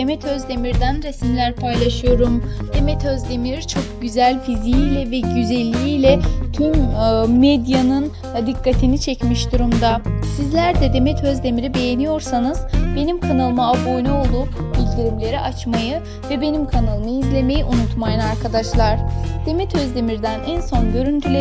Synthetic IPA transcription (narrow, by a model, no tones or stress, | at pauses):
emɛt̪ʰø̞zd̪e̞miɾd̪ænɾesmlʲæɾpʰajlˠaʃɯjo̞ɾumd̪̥e̞mɛt̪ʰøzd̪e̞miɾt͡ʃʰo̞k̚ɟyzælʲfizijilʲɛvɛɟyzɛlʲːijiːlʲɛt̪ʰymː | ɛd̪janɯn | d̪ikʰːat̪ʰinit͡ʃʰɛcmiʃd̪uɾumd̪asizlʲæɾd̪ɛd̪e̞mɛt̪ʰøzd̪e̞miɾibe̞je̞nijo̞ɾsanɯz̥be̞nimkʰanalˠmaabojnolˠuːbilʲd̪iɾimlʲe̞ɾiʔat͡ʃmajɯ | vɛbe̞nimkʰanalˠmajizlʲe̞me̞jiʔunut̪majɯnaɾkʰad̪aʃlˠaɾ̥d̪̥e̞mɛt̪ʰøzd̪e̞miɾd̪ænʔænso̞nɟø̞ɾynt̪ʰylʲe